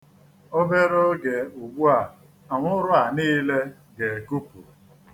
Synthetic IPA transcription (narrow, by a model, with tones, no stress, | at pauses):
o˦be˦ɾo˦ɡe˨u˨ɡ͡bu˦a˨ | a˨ŋʷʊ˦ɾʊ˦a˨niː˦le˦ | ɡe˨e˨ku˦pṵ˨